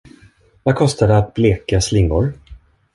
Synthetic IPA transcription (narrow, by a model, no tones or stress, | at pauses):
vakʰɔst̪ad̪ɛat̪̚bleːkaslɪŋːʊɾ